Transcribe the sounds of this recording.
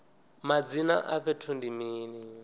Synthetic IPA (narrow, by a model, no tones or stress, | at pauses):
mad͡zina̰ʔaɸɛtʰundimiːni